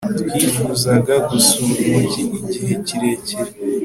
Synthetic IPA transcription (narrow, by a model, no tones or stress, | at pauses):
tkwiːfuzaɡaɡusuuciːɟiɦe̞ciɾe̞ceɾe